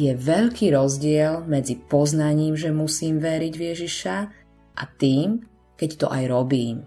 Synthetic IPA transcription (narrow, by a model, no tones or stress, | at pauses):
jɛʋɛʎkiːɾɔzɟɪɛlmɛd͡zipɔznaɲiːmʒɛmusiːmʋɛɾiɟʋjɛʒiʃa | ʔa̰t̪iːm | kɛct̪ɔ̰ʔajɾɔbiːm